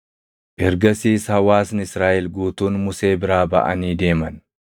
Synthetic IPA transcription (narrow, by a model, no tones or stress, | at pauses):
ʔɪɾɡɐsiːshɐwaːsnɪsɾaːʔɪlɡuːt̪uːnmʊse̞ːbɪɾaːbɐ̰ʔɐ̰niːd̪e̞ːmɐn